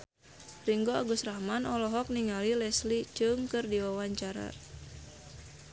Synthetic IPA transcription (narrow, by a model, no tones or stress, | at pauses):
riŋɡoaɡusrahmanɔlɔɦɔk̚niŋalilɛslit͡ʃɨŋkɨrdiwawaɲt͡ʃaɾa̰